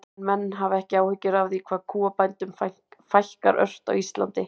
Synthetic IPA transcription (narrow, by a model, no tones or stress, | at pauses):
mɛnːɦavɛhcɪaːwhʏcːʏɾavðikʰvaːðkʰuːapajnt̪ʏmfa | fajl̥ka̰ɾʔœ̰r̥t̪a̰wist̪la̰nt̪ɪ